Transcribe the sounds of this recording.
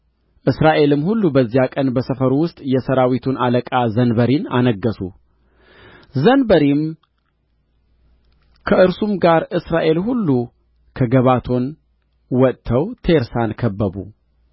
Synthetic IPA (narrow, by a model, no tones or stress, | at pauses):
ʔɨsɾaʔe̞lɨmːhulːubəzːijakʼənbəsəfəɾwʊst̪ʼjɛsəɾawit̪ʰunaləkʼazənbəɾina̰nəɡːəsṵ | zənbəɾim | kʰəʔɨɾsumɡaɾɨsɾaʔe̞lhulːu | kʰəɡəβat̪ʰo̞n | wɔt̪t̪ʰːəwt̪ʰe̞ɾsankʰəbːəbṵ